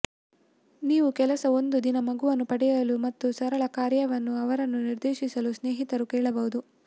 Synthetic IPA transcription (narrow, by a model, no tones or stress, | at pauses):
niːʋukɛlɐsɐo̞nd̪ud̪inɐmɐɡuʋɐnːupɐɽɛjɐlumɐt̪ːusɐɾɐɭɐkaːɾjɐʋɐnːuɐʋɐɾɐnːuniɾd̪eːʃisɐlusneːɦit̪ɐɾukɛːɭɐbɐɦud̪u